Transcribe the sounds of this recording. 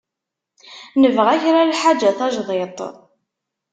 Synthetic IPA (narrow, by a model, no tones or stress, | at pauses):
nəvʁæçɾalħad͡ʒæθɑʒðˤet̪ˤ